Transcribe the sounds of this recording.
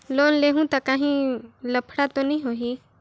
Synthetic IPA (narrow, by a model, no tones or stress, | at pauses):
loːnleɦũt̪akaɦĩləpʰɽat̪onɐĩɦoɦi